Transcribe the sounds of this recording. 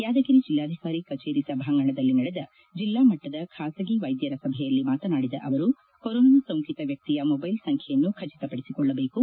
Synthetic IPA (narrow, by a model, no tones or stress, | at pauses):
jaːd͡ʒ̪ɐkiɾid͡ʒilːaːd̪ʱikaːɾikɐt͡ʃeːɾisɐbʱaːŋɡɐɳɐd̪ɐlːinɐɽɛd̪ɐ | d͡ʒilːaːmɐʈːɐd̪ɐkʰaːsɐɡiʋɐjd̪jɐɾɐsɐbʱɛjɐlːimaːt̪ɐnaːɽid̪ɐ̰ʔɐʋɐɾu | kɔɾoːnɐnɐsɐwŋkit̪ɐʋjɐk̚t̪ijɐmɔbɐjlsɐŋkʰjɛjɐnːukʰɐt͡ʃi̥t̪ɐpɐɽisikɔɭːɐbe̞ːku